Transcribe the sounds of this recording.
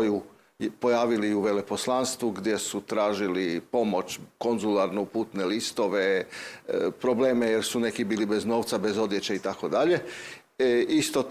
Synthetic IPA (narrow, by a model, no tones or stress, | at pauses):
ju | po̞jaːʋiliuʋe̞le̞po̞slanst̪ʋuɡd̪ʲje̞sut̪ɾaːʒilipo̞mo̞t͡ɕko̞nzulaɾnoupuːt̪nelist̪o̞ʋe | pɾo̞ble̞ːmejeɾsune̞kibiːlibe̞zno̞ːʋt̪sabe̞zo̞d̪je̞t͡ɕeit̪ako̞d̪aʎe̞ | ist̪o